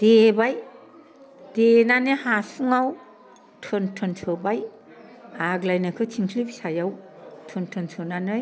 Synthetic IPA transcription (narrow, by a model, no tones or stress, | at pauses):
d̥ebaj | d̥enanehasuŋaw | tʰɯntʰɯnsʰɯbaj | aɡlajnakʰɯt͡ʃʰiŋkʰlibisajawtʰɯntʰɯnsʰɯnanɯj